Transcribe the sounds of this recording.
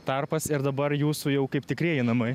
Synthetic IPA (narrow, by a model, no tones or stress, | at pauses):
t̪ɐrpɐsɪɾd̪ɐbɐrjuːsujɛʊkɐɪpt̪ʲɪkɾʲiːjɪnɐmɐɪ